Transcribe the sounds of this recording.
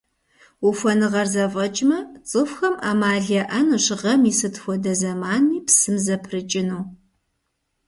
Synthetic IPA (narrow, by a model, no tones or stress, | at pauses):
ufʷɐnɨʁɐrzɐvʼɐt͡ʃʼmɐt͡sʼɨfxɐmʔaːmaːɮɐʔɐnuɕɪʁɐmiːsɨtxʷɔdɐzɐmaːniːpsɨmzɐpʰrɨt͡ʃʼɪnuː